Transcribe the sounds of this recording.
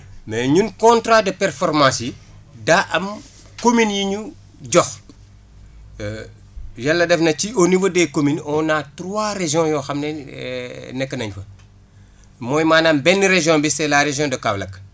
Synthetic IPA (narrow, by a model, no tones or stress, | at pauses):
mɛɲunkɔ̃ntɾadəpɛɾfɔɾmãːsi | daʔɐm | kominjiɲu | ɟɔx | jalːɐdɛfnɐcionifɐdɛkominɔnatɾwaɾeʒjɔ̃jɔːxɐmnɛ | nɛkːənɐɲfɐ | mɔːjmaːnambɛnːiɾeʒjɔ̃ːbisɛlaɾeʒjɔ̃dɐkaːblɐk